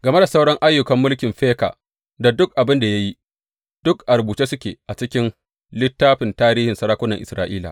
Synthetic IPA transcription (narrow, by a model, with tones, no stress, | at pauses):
ɡɐ˨me˦da˨sa˦wɽɐ˦ŋʔa˦jːʊ˨kɐ˨mːʊ˦lkʲɪ˨mɸeː˦ka̰ː˨ | da˨dʊ˦k̚ʔa˨bɪ˦nda˨ja˦ji˦ | d̥ʊ˦kʔa˨ɾbuː˨t͡ʃeː˦sʊ˦kʲḛː˨ʔa˨t͡ʃɪ˦kʲɪ˦n | lɪ˦tːaː˦ɸɪ˨ntaː˦ɾiː˦hɪ˨nsɐ˦ɾaː˦kʷʊ˦nɐ˨ŋʔɪ̰˨sɾa̰ː˦ʔiː˦la̰˨